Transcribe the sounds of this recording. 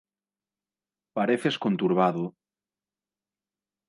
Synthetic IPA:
paɾeθeskont̪uɾβ̞aðo

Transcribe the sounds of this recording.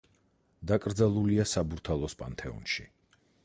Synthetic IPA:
d̪akʼɾd̪zalˠuliasabuɾt̪ʰalˠɔspʼa̰nt̪ʰɛṵnʃḭ

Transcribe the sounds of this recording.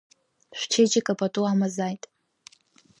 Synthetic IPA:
ʃᶣʷt͡ʃʰet͡ʃʼɪkʼapʼatʼuamazajtʼ

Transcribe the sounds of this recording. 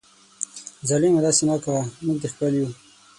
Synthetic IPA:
zalimad̪ɑsenakawamuɡ̚t̪expəlju

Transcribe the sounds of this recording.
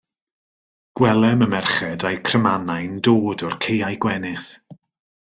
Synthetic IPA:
ɡ̥wɛlˠɛməmɛrχɛdajkʰrəmanajndoːdɔrkʰejajɡwɛnɪθ

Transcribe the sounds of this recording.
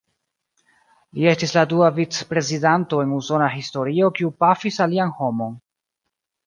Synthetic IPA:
lie̞stisladuavit͡spɾe̞zidanto̞e̞nuso̞naɦisto̞ɾio̞kiupafisalianho̞mo̞n

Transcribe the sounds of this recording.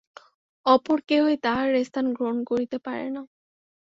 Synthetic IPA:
ɔpɔɾkeɦojt̪aɹːest̪ʰanɡɹonkoɹit̪epaɹḛnɔ

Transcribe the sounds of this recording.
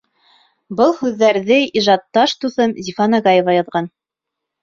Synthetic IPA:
bɤlˠhʉðːæɾðɘiʒɑt̪ːɑʃt̪uθɤmzʲifɑnɑɡɑjevɑjɑðʁɑn

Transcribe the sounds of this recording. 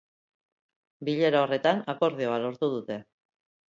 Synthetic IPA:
biʎe̞ɾao̞re̞t̪anako̞ɾð̞eoalo̞ɾt̪uð̞ut̪e̞

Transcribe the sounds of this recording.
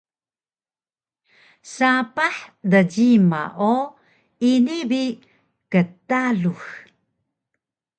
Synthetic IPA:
sapaħdəd͡ʑima̰ʔo | inibi | kətaɮux

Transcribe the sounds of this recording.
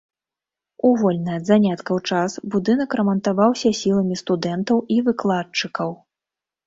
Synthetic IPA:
uvɔlʲnɐjɐd̪zanʲat̪kɐwt͡ʂasbud̪ɨnɐkɾɐmɐnt̪avawsʲɐsʲilˠɐmʲist̪ud̪ɛnt̪ɐwʔivɨklˠat͡ʂɨkɐw

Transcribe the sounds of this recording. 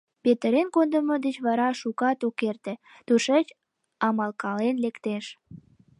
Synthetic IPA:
pet̪əɾenkond̪əmod̪ət͡ɕβɑɾɑʃukɑt̪okert̪ĕ | t̪uʃet͡ɕ | ɑmɑlkɑlenlekt̪eʃ

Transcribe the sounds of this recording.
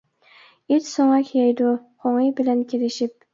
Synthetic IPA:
ɪt̪soɴɑkʲʰijajd̪ʊqʰoŋɪjbɪlankʲʰelɪʃɪp̚

